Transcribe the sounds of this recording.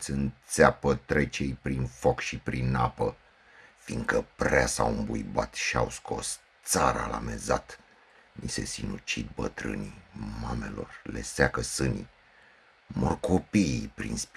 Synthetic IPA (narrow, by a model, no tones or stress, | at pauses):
t̪sʲɨnt̪seapət̪ɾe̞t͡ʃejpɾinfo̞kʃipɾinːapə | fiŋɡ̪kəpɾeasawumbujbat̪ʃiawsko̞st̪saɾalame̞zat̪ | mise̞̰sinut͡ʃid̪̚bət̪ɾɨ̰nimame̞lo̞̰rle̞̰sakəsɨni | morko̞pipɾinsp